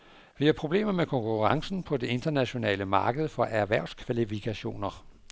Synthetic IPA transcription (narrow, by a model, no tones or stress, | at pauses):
ʋihæpʰʁo̝b̥le̝̰ːmɐmekʰɒ̽ŋkʰuʁɑ̈ŋsn̩pʰɒ̽d̥e̝e̝nd̥ɐnæɕo̝nɛ̰ːləmɑ̈ːɡ̥əð̞̩ˠfɒ̽ʔæɐʋæɐ̰ʊskʰʋælifikʰæɕo̝̰ːnɐ